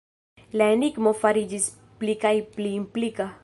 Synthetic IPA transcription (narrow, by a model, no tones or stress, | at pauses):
lanikmofaɾid͡ʒis | plikaipliːmplika